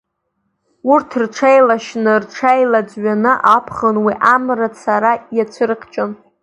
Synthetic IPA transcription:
urtʰrʈ͡ʂʰejlaʃnɨrʈ͡ʂʰajlad͡zɥanɨʔapʰχənwiʔamrat͡sʰaɾajat͡sʷʰɨrɨqʰt͡ʃʼon

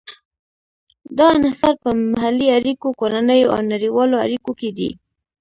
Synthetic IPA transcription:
d̪ɑnɪhsɑɾ̚pəmaɦalːiaɾikokoɾanəjoa̰wnaɾiwɑloa̰ɾikoked̪ḭ

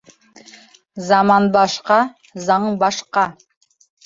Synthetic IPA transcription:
zɑmɑnbɑʃqɑ | zɑɴbɑʃqɑ

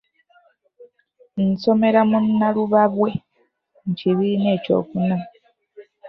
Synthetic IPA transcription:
n̩so̞me̞ɾamunːaluβaβwe̞ | ŋ̩ciβiine̞ːco̞̰ːkuna

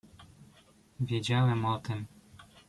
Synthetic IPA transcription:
vʲjɛd͡ʑawɛmɔt̪ɘm

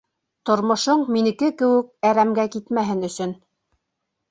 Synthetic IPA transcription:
t̪ŏɾmŏʃoɴminɘ̆kɘkɘ̆wɘ̆k̚æɾæmɡækit̪mæɦɘnɵ̆sɵn

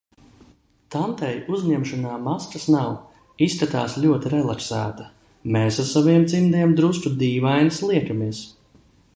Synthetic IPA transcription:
t̪ant̪ɛjuzɲɛmʃɔnaːmaskasnaw | iskat̪a̰ːsʎʲuɔt̪iɾɛlˠaksæːt̪a | meːsasaviɛmt̪simd̪iɛmd̪ɾust̪ud̪iːvajnslˠiɛkamiɛs

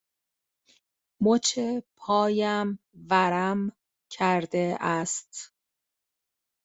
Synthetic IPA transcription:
mot͡ʃʰepʰɒːjæm | væɾæm | cʰæɾd̪eʔæst̪

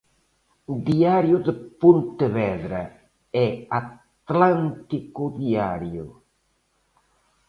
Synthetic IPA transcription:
ʊd̪iaɾjʊd̪əpont̪ɪβɛðɾɐ | ɛat̪lant̪ikʊd̪iaɾjʊ̰

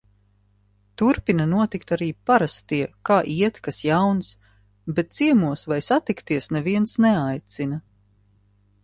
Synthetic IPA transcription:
t̪uɾpinanuɔt̪ikt̪aɾiːpaɾast̪iɛkaːʔiɛt̪kasjawns | bɛt̪̚t̪siɛmuɔsvajsat̪ikt̪iɛsnɛviɛnsnɛajt̪sinɐ

